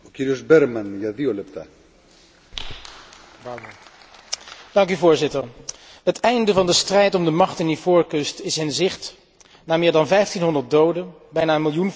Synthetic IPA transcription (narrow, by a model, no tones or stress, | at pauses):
ociɾiozbɛɾmɐnʝɐðiolept̪a̰ | bab | d̥ɑŋkyvʊːɹzɪtəɹ | ɦətɛjndəvɑndəstrɛjtɔmdəmɑχtɪndivʊːɹkɵstɪsɪnzɪχt | naːmɪːɹdɑnvɛjftinɦɔndəɹt̚dowdə | bɛjnaːənmɪlˠjun